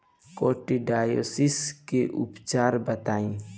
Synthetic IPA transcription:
koːʈiɖaːjo̰ːsɪskeʔʊpt͡ʃaːɾbət̪aːĩː

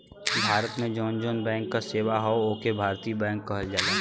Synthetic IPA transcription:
bʱaːɾət̪mẽd͡ʒɔːnd͡ʒɔːnbɛ̃ːŋkːaseːwaɦɔooːkebʱaːɾt̪iːbɛ̃ːŋkːɐɦəld͡ʒaːlaː

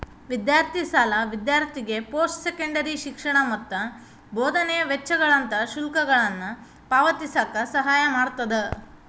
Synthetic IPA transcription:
ʋid̪jaːɾt̪ʰisaːlɐʋid̪jaːɾt̪ʰiɡe̞poːsʈsekɐɳɖɐɾiʃikʂɐɳɐmɐt̪ːɐ | boːd̪ʱɐnɛjɐʋet͡ʃːɐɡɐɭɐnt̪ɐʃulkɐɡɐɭɐnːu | paːʋɐt̪isaːkɐsɐɦaːjɐmaːɽt̪ːɐd̪e

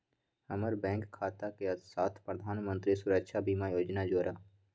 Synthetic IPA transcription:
həməɾbɛ̃ːŋkkʰːaːt̪akesaːt̪ʰpɾəd̪ʱaːnmə̃nt̪ɾisʊɾəkʃabʱiːmajoːd͡ʒnad͡ʒoːɾaː

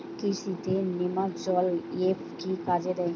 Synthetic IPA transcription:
kisit̪enemad͡ʒɔlepkikad͡ʒed̪ɛ

